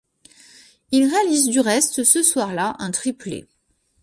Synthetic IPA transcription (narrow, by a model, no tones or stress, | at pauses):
ilʁealizd̪yʁɛst̪səswaʁlaʔɛ̃t̪χiplḛ